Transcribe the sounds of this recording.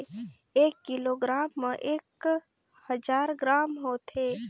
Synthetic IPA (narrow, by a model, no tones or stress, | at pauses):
eːkːɪloːɡɾaːmːəʔeːk | həd͡ʒaːɾɡɾaːmɦoːt̪ʰeː